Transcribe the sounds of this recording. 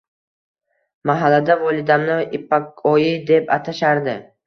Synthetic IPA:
maɦalːad̪avɒlˠɪd̪amnɪɪpːakɒjɪd̪e̞pat̪ʰaʃaɾd̪ɪ

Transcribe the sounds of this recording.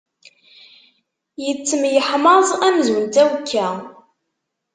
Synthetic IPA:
jət͡sːəmjəħmɑzˤænzwənt̪æwkʰːæ

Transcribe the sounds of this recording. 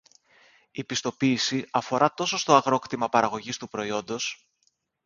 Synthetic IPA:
ipist̪o̞piːsiɐfo̞ɾɐt̪o̞so̞st̪o̞ɐɣɾo̞kt̪imɐpɐɾɐɣo̞ʝist̪upɾo̞io̞nd̪o̞s

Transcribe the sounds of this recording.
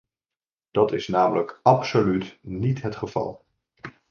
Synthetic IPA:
d̥ɑtɪsnaːmələkɑpsolytnitɦətχəv̥ɑ̰lˠ

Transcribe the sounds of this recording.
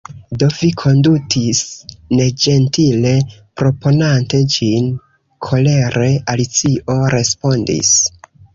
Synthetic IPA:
do̞vikʰo̞ndutʰisne̞d͡ʒe̞ntile̞pɾo̞po̞nante̞d͡ʒin | kʰo̞le̞ɾe̞alit͡siʔo̞ɾe̞spo̞ndḭs

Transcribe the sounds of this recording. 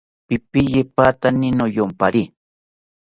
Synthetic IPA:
pɪpɪjepat̪anɪnojompaɾi

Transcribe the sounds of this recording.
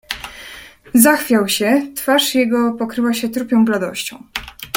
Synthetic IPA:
zaxfʲjawɕɛt̪faʂjɛɡɔpɔkɾɘwaɕɛt̪ɾupʲɔ̃w̃blad̪ɔ̰ɕt͡ɕɔ̃w̃

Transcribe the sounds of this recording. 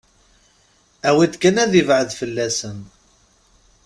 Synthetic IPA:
æwid̪kənæðivʕəðfəlːæsən

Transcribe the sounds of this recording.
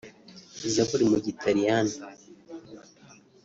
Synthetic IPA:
izakuɾimuɟitʰaɾijana

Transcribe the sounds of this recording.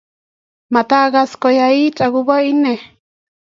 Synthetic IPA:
mat̪aɣaskojait͡ʃʼaɣuβaine

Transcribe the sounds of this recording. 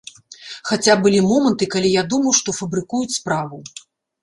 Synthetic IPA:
xat͡sʲabɨlʲimɔmɐnt̪ɨkalʲijad̪umɐwʂt̪ɔfɐbɾɨkujut͡sʲspɾavu

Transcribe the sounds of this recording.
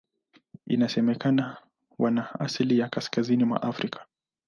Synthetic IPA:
ḭnasɛmɛkana | wanaa̰silijakaskazinimwa̰ʔafɾikʰḁ

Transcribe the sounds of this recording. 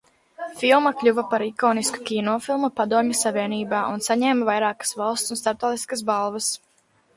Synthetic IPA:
filˠmɐklʲuvɐpaɾikoːnisku̥kʲinɔːfilˠmupad̪uɔmʲɐsavʲiɛniːbaːʔunsaɲɛːmvajɾɑːkḁsvalˠst̪sunst̪aɾp̚t̪ɔːt̪iskəs̬balˠvɐs

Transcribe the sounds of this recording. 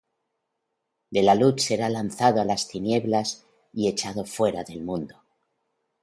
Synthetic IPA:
d̪e̞lalutse̞ɾalanθaðoalast̪inje̞βlas | ie̞t͡ʃað̞o̞fwe̞ɾaðe̞lmũnd̪o

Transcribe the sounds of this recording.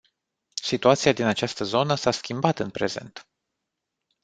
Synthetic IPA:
sit̪uat̪siad̪inat͡ʃast̪əzo̞nəsaskʲimbat̪ɨnpɾe̞̰ze̞̰nt̪

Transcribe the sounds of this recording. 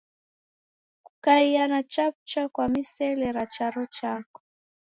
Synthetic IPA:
kukaianat͡ʃap̚t͡ʃakwamisɛlɛɾat͡ʃaɾɔt͡ʃakɔ̥

